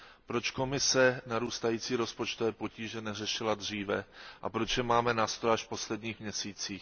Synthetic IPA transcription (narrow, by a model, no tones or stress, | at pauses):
pɾo̞t͡ʃko̞mɪsɛnaɾuːst̪ajiːt͡siːɾo̞spo̞t͡ʃt̪ovɛːpo̞ciːʒɛnɛrɛʃɪlad̪r̝iːvɛʔapɾo̞t͡ʃjɛmaːmɛnaːst̪ɾojaʃfpo̞slɛdɲiːxmɲɛsiːt͡siːx